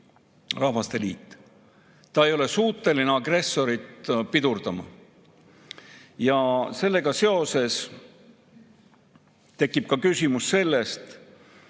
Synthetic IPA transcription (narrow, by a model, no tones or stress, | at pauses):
rɑhvɑst̪e̞liːt̪ˑː | t̪ːɑe̞jo̞le̞suːt̪ːˑe̞lineɑɡre̞sːo̞ɾit̪pid̪urd̪̥ɑmɑ̰ | jɑse̞lːe̞ɡɑse̞o̞se̞s | t̪e̞kːˑib̥̚kɑkysʲimusːe̞lːe̞st̪